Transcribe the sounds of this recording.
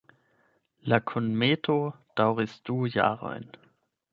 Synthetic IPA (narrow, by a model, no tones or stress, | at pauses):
lakʰʊnmeːtʰod̥aʊʁəsd̥uːja̰ːʁɔ̰ɪn